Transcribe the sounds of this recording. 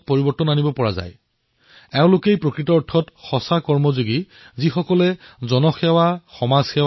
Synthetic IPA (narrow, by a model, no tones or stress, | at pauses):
pɔɹibɔtɔnanibɔpɔɹaza̰j | ɛʊ̃lʊkejpɹokɹitɔɔɹtʰːɔtxɔsakɔɹmɔzoɡi | zixɔkɔlɛzɔnɔxɛwaxɔmaz̥xɛ